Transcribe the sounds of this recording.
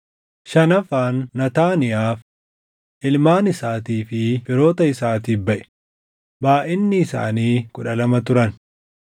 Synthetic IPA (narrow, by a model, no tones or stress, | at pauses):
ʃɐnɐfaːnːɐt̪aːnɪjaːf | ʔɪlmaːnɪsaːt̪iːfɪfɪɾo̞ːt̪ɐɪsaːt̪iːbɐʔɛ̥ | baːʔɪnːɪːsa̰ːniːkʊᶑɐlɐmɐt̪ʊɾɐn